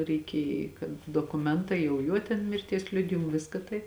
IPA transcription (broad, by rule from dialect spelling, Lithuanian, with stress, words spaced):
rʲɛɪˈkʲeːj kɐt doːkʊˈmʲɛntɐɪ jɛʊ ˈjuɔ tʲɛn mʲɪrʲˈtʲiɛs ˈlʲʊdʲɪjɪmʊ ˈʋʲɪskɐ tɐɪ